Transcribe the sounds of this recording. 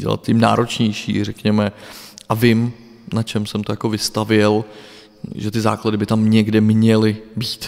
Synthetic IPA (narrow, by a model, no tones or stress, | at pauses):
ɟɛ̰la̰t̪̚cɪmna̰ːɾʔo̞t͡ʃɲɛjʃḭːrɛkɲɛmɛʔavɪm | nat͡ʃɛmsɛmt̪ojako̞vɪst̪avjɛl | ʒɛt̪ɪza̰ːkladɪbɪt̪amɲɛɡdɛmɲɛlɪbiːt̪